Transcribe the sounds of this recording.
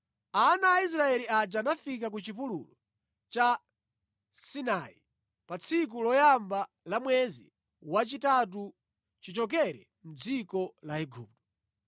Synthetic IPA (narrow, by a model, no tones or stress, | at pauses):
anaːis̬ɾaɛliad͡ʒanafikakut͡ʃipulṵlɔ | t͡ʃa | sinaḭ | pat͡sʰik̬ulɔjamba | lamwɛzḭ | wat͡ʃitat̬u | t͡ʃit͡ʃɔk̬ɛɾɛ̰ | m̩d͡zikɔlaiɡṵːp̚tɔ̥